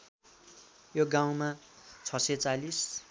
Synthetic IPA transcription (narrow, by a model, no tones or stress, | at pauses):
joɡaw̃mat͡sʰʌsʌjt͡salis